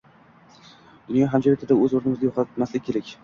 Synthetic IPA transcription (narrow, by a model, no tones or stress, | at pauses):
d̪̥ʊnjɒɦamd͡ʒaveɪd̪aɵzoɾnɪmɪzd̪ajoqat̪maslɪːeɾakʲ